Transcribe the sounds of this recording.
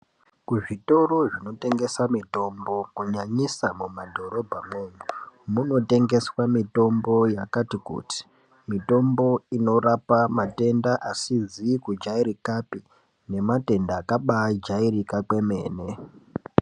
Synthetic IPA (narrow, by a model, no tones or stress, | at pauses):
kuʐito̞ɾoʐino̞te̞ŋɡe̞samito̞mbo̞kuɲaɲisamumadʱo̞ɾo̞bʱameɲumuno̞te̞ŋɡe̞swamito̞mbo̞jakatikṵti̥ | mito̞mbo̞ino̞rapamate̞ndaʔasizikud͡ʒaiɾikapi | ne̞mate̞ndaːkaɓad͡ʒairikakwe̞me̞ːne̞